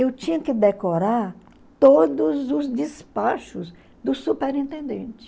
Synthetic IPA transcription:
ewt͡ʃĩɲɐkɪd̪ekoɾaɾ | t̪od̪ʊzʊzd͡ʒispaʃʊz | d̪ʊsupeɾĩnt̪ẽnd̪ḛ̃nt͡ʃɪ̥

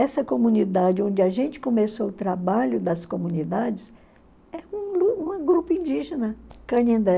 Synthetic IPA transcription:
ɛsɐkomũnid̪ad͡ʒɪõd͡ʒɪaʒẽnt͡ʃɪ̥kõmesowʊt̪ɾabaʎʊd̪ɐskomũnid̪ad͡ʒɪs | ɛũluũɐɡɾupʊĩnd͡ʒiʒenɐkɐnẽnd̪ɛ

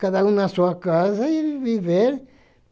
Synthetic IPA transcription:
kaðaũnɐsuɐkazɐiviveɾ

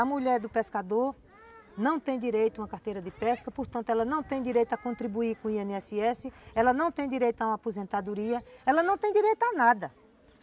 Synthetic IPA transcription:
ɐmuʎɛɾd̪ʊpeskad̪oɾ | nɐ̃w̃t̪ẽj̃d̪iɾejt̪ʊũmɐkaɾt̪ejɾɐd̪ɪpɛskɐpoɾt̪ɐ̃nt̪ʊɛlɐnɐ̃w̃t̪ẽj̃d̪iɾejt̪ʊakõt̪ɾibuiɾkõiẽniɛsiɛsɪɛlɐnɐ̃w̃t̪ẽj̃d̪iɾejt̪ʊaũmɐapozẽnt̪ad̪uɾiɐɛlɐnɐ̃w̃t̪ẽj̃d̪iɾejt̪ʊanad̪ɐ

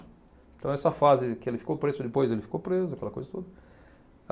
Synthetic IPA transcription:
t̪ɐ̃w̃ɛsɐfazɪkɪelɪfi̥kopɾezʊd̪ɪpojzelɪfi̥kopɾezʊɐkɛlɐkojzɐt̪od̪ɐ

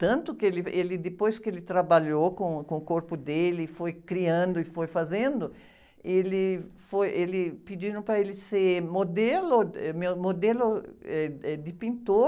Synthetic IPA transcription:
t̪ɐ̃nt̪ʊkɪelɪelɪd̪ɪpojskɪelɪt̪ɾabaʎokõkõʊkoɾpʊd̪elɪːfojkɾiɐ̃nd̪ʊɪfojfazẽnd̪ʊ | elɪfojʔelɪpid͡ʒinʊ̃pɾɐelɪsemod̪elʊɛmewmod̪elʊɛɛd̪ɪpĩnt̪o

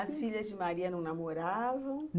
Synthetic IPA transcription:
ɐsfiʎɐzd͡ʒɪmaɾiɐnɐ̃w̃namoɾavɐ̃w̪̃

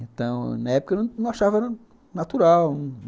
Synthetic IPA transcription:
ẽt̪ɐ̃w̃nɐɛpʊkɐnɐ̃w̃nɐ̃w̃aʃavɐɛɾɐ | nat̪uɾawñ

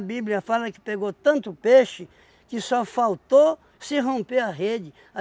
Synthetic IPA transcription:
bibliɐfalɐkɪ̥peɡot̪ɐ̃nt̪ʊpeʃɪ | kɪsɔfawt̪o | sɪɦõmpeɐɦed͡ʒɪ | a

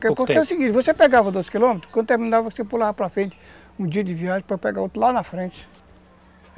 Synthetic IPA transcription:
kekõɛsɪɡĩɾvosepɛɡavɐd̪ozɪ̥kilõmet̪ɾʊ̥kɐ̃d̪ʊt̪eɾmĩnavɐksepulavɐpɾɐfɾẽnt͡ʃɪ̥ | ũd͡ʒiɐd͡ʒɪviaʒẽpopɛɡaot̪ɾlanɐfɾẽt͡ʃɪ̥

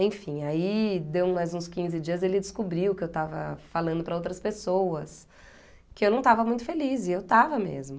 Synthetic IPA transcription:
ẽj̃fĩaid̪ewmajzũskĩzɪd͡ʒiɐzelɪd͡ʒɪskubɾiwkɪewt̪avɐ̰falɐ̃nd̪ʊpɾɐowt̪ɾɐspesowɐs | kɪewnɐ̃w̃t̪avɐmũj̃t̪ʊ̥felizɪewt̪avɐmḛzmʊ

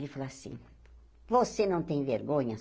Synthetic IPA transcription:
lɪfalasḭ̃ | vosenɐ̃w̃t̪ẽj̃veɾɡõɲɐ

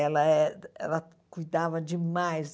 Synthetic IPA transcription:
ɛlaɛɛ̰la | kujd̪avad͡ʒimajz

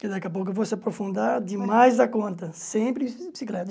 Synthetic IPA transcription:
kɪd̪ɐkeɐpowk̬ʊvosɪɐpɾofũnd̪ad̪ɪmmajzd̪ɐkõnt̪ɐsẽpɾɪisbi̥siklɛt̪

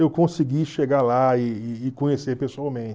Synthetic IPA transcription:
ewkõsiɡiʃeɡalaɪɪːkõɲesepesuawmẽnt͡ʃ

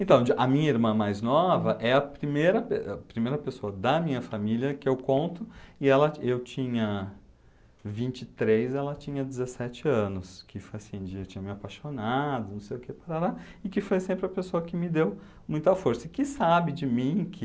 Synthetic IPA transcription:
ẽnt̪ɐ̃w̃d͡ʒʔɐmĩɲɐiɾmɐ̃majznɔvɐʔɛɐpɾimejɾɐpepɾimejɾɐpesoɐd̪ɐmĩɲɐfamiliɐkɪewkõnt̪ʊɪɛlɐewt͡ʃĩɲɐ | vĩnt͡ʃɪt̪ɾejzɛlɐt͡ʃĩɲɐd͡ʒɪzesɛt͡ʃɪɐ̃nʊskʰɪfojɐsĩd͡ʒɪewt͡ʃĩɲɐmɪapajʃonad̪ʊnɐ̃w̃sejʊkepaɾalaɪkɪfojsẽmpɾɪɐpesoɐkɪmɪd̪ew | mũj̃t̪ɐfoɾsɐkɪsabɪd͡ʒɪmĩkʰɪ

